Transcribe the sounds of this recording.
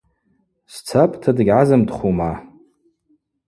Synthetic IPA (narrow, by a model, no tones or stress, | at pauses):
st͡sʰapʼtʰadɨɡʲʕazɨmdχʷuma